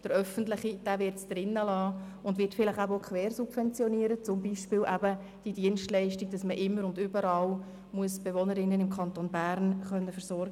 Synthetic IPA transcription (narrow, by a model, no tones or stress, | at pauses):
d̥əɾœfəntlɪχid̥æːʋɪːrtsd̥ɾɪnːəlɑː | ʊndvɪːtfɪlɪχæbəokχʋɛːɾsupvɛnt͡sjɔniəɾət͡sʊmbiʃpɪːlʔæbə | d̥idiənstlɛɪʃtiɡ̚d̥ɑsməʔɪmːəɾʊndybəɾɑːl | muəsb̥eʋonəɾɪnːənɪmkʰɑntoːnbæːɾnχœnːəfəɾsɔɾɡə